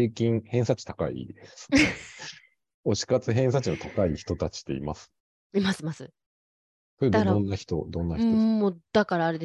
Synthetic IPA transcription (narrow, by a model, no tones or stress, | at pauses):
ekʲĩŋ̃hẽ̞sat͡ɕi̥t̪akaḭd̪ese | o̞ɕi̥kat͡sɨɦẽ̞ɰ̃s̬at͡ɕino̞t̪akaiçi̥t̪o̞t̪at͡ɕi̥t̪e̞imasɨ̥ | imasɨmasɨ | soɾead̪õ̞nːaçi̥t̪o̞̰d̪õ̞nːait̪oːod̪̥akaɾaːɾe̞d̪e